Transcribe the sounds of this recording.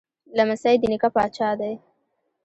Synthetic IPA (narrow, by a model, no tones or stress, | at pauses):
lamasajd̪inikapɑt͡ʃɑd̪aj